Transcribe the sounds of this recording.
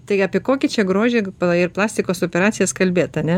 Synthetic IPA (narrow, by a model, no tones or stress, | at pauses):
t̪ɐɪɑːpʲeɛkoːkʲɪt͡ʃʲɛɡɾoːʒʲeːpɪrplˠɑːsʲt̪ʲɪkoːsoːpʲɛɾɑːt͡sʲɪjɛskɐlʲbʲeːt̪ɐnʲɛ